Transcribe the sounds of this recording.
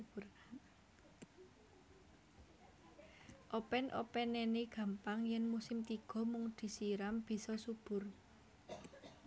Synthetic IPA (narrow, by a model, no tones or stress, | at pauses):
ʔopɛnʔo̰pɛnːɛneɡ̥ä̤mpaŋjɛnmusɪmt̪iɡ̥ɔ̤mʊŋd̪̥i̤siɾamb̥i̤sɔsub̥ʊ̤r